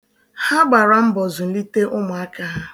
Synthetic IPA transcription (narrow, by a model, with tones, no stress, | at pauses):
ha˦ɡ͡ba˨ɾa˨m̩˦bɔ˨zʊ˨n̩˦li˦te˦ʔʊ˦mʊ˨a˦ka˦ɦa˦